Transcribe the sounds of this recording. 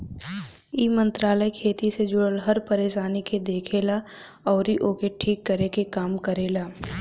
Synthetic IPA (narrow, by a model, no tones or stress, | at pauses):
iːmə̃nt̪ɾaːləjkʰeːt̪ised͡ʒʊɽəlɦɐɾpɐɾeːʃaːniked̪eːkʰeːla | ɔːɾiʔoːkeʈʰiːkːəɾekekaːmkəɾeːlaː